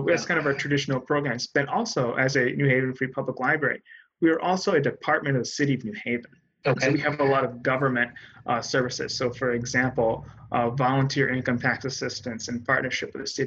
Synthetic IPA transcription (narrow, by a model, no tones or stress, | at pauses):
wəskãɪ̃ndʌvəə˞tʰɹ̥ɨdɪʃn̩l̩ˠpʰɹ̥oʊɡɹæ̃mzb̥ɨ̃ɾɔlˠsoʊʔɨzɨnʉheɪvɨ̃n̩fɹ̥ipʰʌbləklaɪbɹɛ̰ɹḭ | wiə˞ʔɔlˠsoʊɨdɨpʰɑɹt̚mɨ̃ɾ̃ʌvðəsɪɾiʌvnʉheɪvɨ̃n | soʊwiɨvəlɔɾʌvɡʌvə˞mɨ̃nt̚ʔsɜ˞vɨsɪ̰z̥soʊfə˞ɨɡzæ̃mpl̩ˠvɑlˠə̃ntʰɪɹʔɪ̃nkʌ̃mtʰæk̚tɨsɪstɨ̃nsɨ̃npʰɑɹʔⁿnə˞ʃɨpwɨðɨsɪɾi